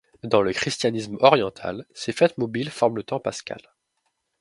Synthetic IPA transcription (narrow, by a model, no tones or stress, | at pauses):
d̪ɑ̃ləkχist̪janismɔʁjɑ̃t̪ʰa̰lsefɛt̪mɔbilfɔʁmlət̪ɑ̃paskʲa̰l